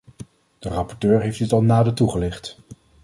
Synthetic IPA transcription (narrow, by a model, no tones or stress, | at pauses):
d̥ərɑpɔɹtøːɹɦejfdɪtɑlˠnaːdətuχəlɪχt